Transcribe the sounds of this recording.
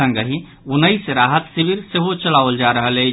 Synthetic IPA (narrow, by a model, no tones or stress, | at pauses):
ə̃ŋɡəɦĩ | unəisɾaɦət̪sibiɾseɦot͡ʃəlawld͡ʒaɾəɦəle